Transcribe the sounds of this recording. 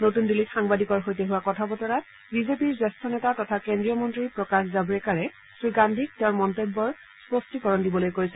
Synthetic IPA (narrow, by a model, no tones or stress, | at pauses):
notundilːitxaŋbadikɔɹxojteɦʊwakɔtʰabɔtɔɹat | bizepiɹswastʰɔnɛtatɔtʰakendɹijɔmɔntɹiɹpɹɔkaszabɔɹɛkaɹɛ | sɹiɡandʱik̚tɛʊ̃mɔntebːɔɹ | spostikɔɹɔndibɔlojkoɹisɛ